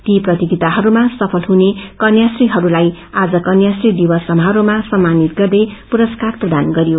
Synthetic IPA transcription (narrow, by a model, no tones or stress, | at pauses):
t̪iprʌt̪iɡit̪aɦʌɾumasʌpʰʌlɦunekʌnjasriɦʌɾulaj | ad͡zʌkʌnjasrid̪ibʌsʌmʱɦaɾumasʌmːanit̪̚ɡʌrd̪ʌjpuɾʌskarprʌd̪anɡʌɾijo